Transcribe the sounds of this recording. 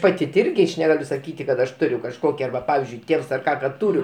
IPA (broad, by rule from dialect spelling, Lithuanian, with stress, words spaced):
ˈpɑːtʲɪ ˈɪrʲɡʲɪ ɐʃ nʲɛˈɡɑːlʲʊ sɐˈkʲiːtʲɪ kɐt ɐʃ ˈtʊrʲʊ kɐʃˈkoːkʲɪ ˈɐrbɐ ˈpɑːʋʲɪzʲd͡ʒʲʊɪ ˈtʲeːws ɐr ˈkɑː kɐt ˈtʊrʲʊ